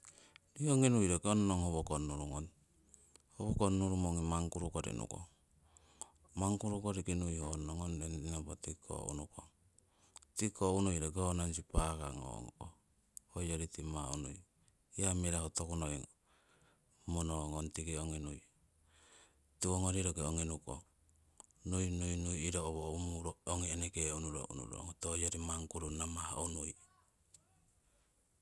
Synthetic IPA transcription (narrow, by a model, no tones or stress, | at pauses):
ɾioŋinujɾekeonnoŋhoβokonːuɾuŋon | hoβokonːuɾumoŋimaŋkuɾukoɾḭnṵko̰ | maŋkuɾukoɾikinujhonoŋondennopotikʰo̰ṵnukoŋ | tikounujɾeɡeonansipaka̰ŋo̰ŋko̰ | hojoɾitimaunṵj | iamiɾahotokunojŋo | monoŋontiɡeoŋinuj | tuoŋoɾiɾoɡeoŋinuko̰ | nujnujnujiɾooβoumuɾooŋieneɡeunuɾo̰ʔṵnṵɾo̰ŋotojoɾimaŋkuɾunamaha̰unuj